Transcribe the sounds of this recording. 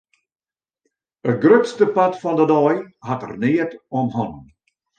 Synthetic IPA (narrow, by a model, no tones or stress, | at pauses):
ətɡrøtstəpatfɔndədɔjhatə̰rniːətɔmɦɔn